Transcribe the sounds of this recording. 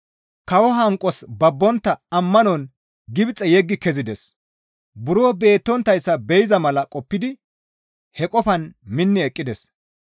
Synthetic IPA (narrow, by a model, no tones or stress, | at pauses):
kɐwɔɦɐŋkʼɔsbɐbːɔnt̪ːɐɐmːɐnɔn | ɡɪbt͡sʼːɛjɛɡːɪkɛzɪd̪ɛs | bʊɾoːbe̞ːt̪ːɔnt̪ːɐjsːɐbɛjɪzɐmɐlɐkʼɔpːɪd̪ɪ | hɛkʼɔfɐnmɪnːɪɛkʼːɪd̪ɛs